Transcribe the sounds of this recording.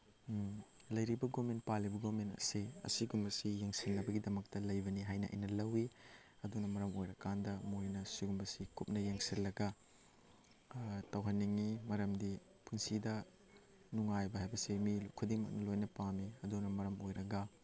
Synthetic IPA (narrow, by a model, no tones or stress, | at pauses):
lɐjɾibɐɡoment̚palibɐɡomentɐ̰siɐ̰siɡumbɐsijeŋsinnɐbɐɡidɐmɐk̚tɐlɐjbɐniɦajnɐ̰ʔɐ̰jnɐlɐwi | ɐdunɐmɐɾɐmojɾɐkandɐmojnɐsiɡumbɐsikup̚nɐjeŋsillɐɡɐ | tɐwɦɐnːiŋːimɐɾɐmdi | punsidɐ | nuŋajbɐɦajbɐsimilukʰudiŋmɐk̚nɐlojnɐpamiɐdunɐmɐɾɐmojɾɐɡɐ